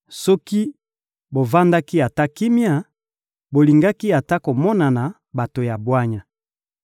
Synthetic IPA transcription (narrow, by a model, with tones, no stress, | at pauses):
sɔ˦ki˦ | bo˨va˦nda˦ki˦a˨ta˦ki˦mi˦a˦˨ | bo˨li˨ŋɡa˦ki˦a˨ta˦ko˨mɔ˦na˨na˨ | ba˨to˨ja˨bwa˦ɲa˨